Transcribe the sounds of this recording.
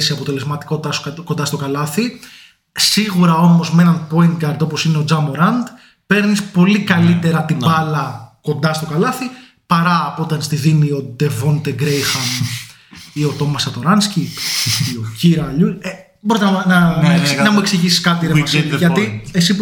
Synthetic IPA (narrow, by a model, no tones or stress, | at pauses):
seɐpo̞t̪e̞le̞zmɐt̪i̥ko̞t̪it̪ɐskond̪ɐst̪o̞kɐlɐθi | siɣuɾɐo̞mo̞zmeenɐnpo̞int̪̚ɡɐɾd̪o̞po̞sine̞o̞d͡zɐmoɾɐnd̪ | pe̞ɾnispo̞likɐlit̪e̞ɾɐt̪ibɐlɐko̞nd̪ɐst̪o̞kɐlɐθi | pɐɾɐːpot̪ɐnst̪iðimio̞d̪e̞vo̞nt̪eɡɾejxɐm | io̞t̪o̞mɐsɐt̪o̞ɾɐnsci | ociɾɐʎue | boɾit̪enɐnɐnɐmue̞ksiʝisi̥skɐt̪iɾeɐsiʝɐiesi